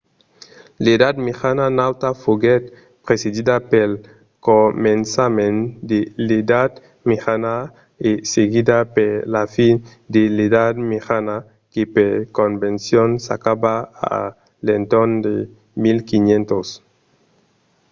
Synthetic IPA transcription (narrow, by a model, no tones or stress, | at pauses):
ledad̪mexananawt̪afuɣet̪̚ | pɾesedid̪apel | komẽnsamẽnd̪eled̪ad̪ | mexana | eseɣid̪apelafin | d̪eledad̪mexana | kepeɾkombẽnsjonsa̰kabaa̰ | lent̪ond̪ḛ | milkinjent̪os